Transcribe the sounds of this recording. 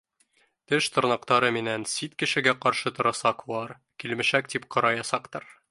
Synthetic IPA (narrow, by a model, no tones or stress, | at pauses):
t̪ɘʃt̪ŏɾnɑqt̪ɑɾɤminænsit̪kɘ̆ʃɘ̆ɡæqɒɾʃɤt̪ŏɾɑsɑqulˠɑɾ | kilmɘ̆ʃækt̪ipqɒ̆ɾɑjɑsɑqt̪ɤɾ